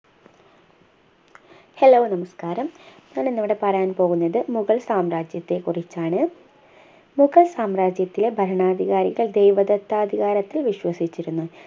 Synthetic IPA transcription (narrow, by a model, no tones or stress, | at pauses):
he̞loːnɐmɐskaːɾɐmɲaːɳenːɐʋiɽe̞pɐrɐjaːnpo̞ːɣunːɐðɨmuɣɐɭsaːmraːd͡ʑjɐt̪ːe̞kurit͡ɕːaːɳɨ | muɣɐɭsaːmraːd͡ʑjɐt̪ːilebʱɐɾɐɳaːd̪ʱiɣaːɾiɣɐɭd̪ejʋɐd̪ɐt̪ːaːd̪ʱiɣaːɾɐt̪ːilʋiɕʋɐsit͡ɕːiɾunːu